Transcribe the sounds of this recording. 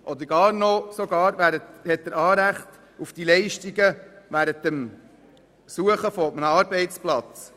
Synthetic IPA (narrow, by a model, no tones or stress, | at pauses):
ʔɔd̪əɾɡ̥ɑːɾnɔsɔɡɑːɾvæɾəthɛt̚d̪əɾɑːɾæχt | ufd̥ilɛɪʃtiɡəʋæːɾətːəm | suəχəfɔɔbənəɑːɾbɛɪt͡splɑt͡s